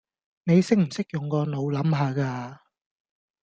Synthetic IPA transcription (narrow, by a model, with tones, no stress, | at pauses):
ne˨˧jsɪ˥k̚m̩˨˩sɪ˥k̚jʊ˨ŋkɔː˧no˨˧wlɐ˨˥mɦaː˨˧kaː˧